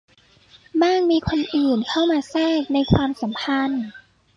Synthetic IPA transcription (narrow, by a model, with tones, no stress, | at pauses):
maː˥˩ŋmiː˧kʰo˧nʔɯː˨˩nkʰa˥˩wmaː˧sɛː˥˩k̚na˧jkʰwaː˧msa˩˦mpʰa˧n